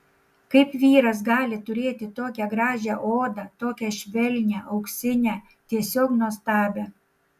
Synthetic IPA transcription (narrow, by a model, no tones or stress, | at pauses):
kɐɪpʋʲiːɾɐs̬ɡɑːlʲɪt̪ʊɾʲeːt̪ʲɪt̪oːkʲɛɡɾɑːʒʲæʔoːd̪ɑt̪oːkʲɛʃʲʋʲɛlʲnʲæʔɐʊksʲɪnʲæː | t̪ʲiɛsʲoːknuɔst̪ɑːbʲæ